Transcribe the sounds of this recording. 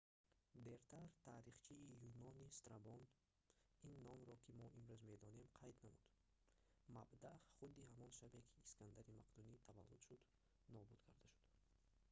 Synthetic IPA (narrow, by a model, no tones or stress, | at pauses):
d̪eɾt̪ʰaɾt̪ʰaɾiχt͡ʃʰiːjunɔnist̪ɾabɔn | inːɔmɾɔkʰimɔʔimɾuzme̞d̪ɔne̞mqʰajd̪namud̪̥ | mabd̪aχud̪ihamɔnʃabekʰi̥ːskʰand̪aɾimaqd̪unit̪ʰava̰lːud̪̥ʃud̪ | nɔbud̪kʰaɾd̪aʃu̥d̪